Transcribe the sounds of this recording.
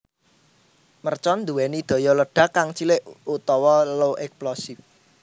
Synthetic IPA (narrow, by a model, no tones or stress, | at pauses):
mərt͡ʃɔnd̪uwɛnid̪̥ɔ̤jɔləɖ̥ä̤kaŋt͡ʃilɪʔut̪ɔwɔloʔɛksplɔsɪf